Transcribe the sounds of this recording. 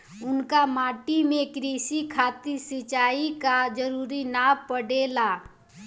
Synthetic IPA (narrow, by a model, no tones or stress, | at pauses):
ʊnkamaːʈimẽkɾiːsikʰaːt̪isɪt͡ʃaːikad͡ʒəɾuːɾinaːpəɽeːlaː